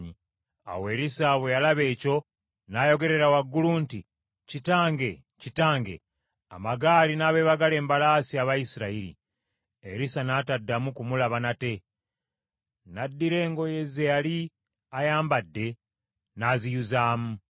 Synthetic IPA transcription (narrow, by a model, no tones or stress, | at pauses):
ɲi | a̰we̞ɾisaβwejalaβe̞ːco̞ | naːjo̞ɡe̞ɾe̞ɾawaɡːulunti | citaːŋɡe̞ | citaːŋɡe̞̰ | amaɡaːlinaːβe̞ːβaɡale̞ːmbalaːsiaβaisiɾaiɾḭ | eɾisanaːtadːamukumulaβanate̞ | nadːiɾe̞ːŋɡo̞je̞zejali | ajaːmbadːe̞ | naːzijuzaːmu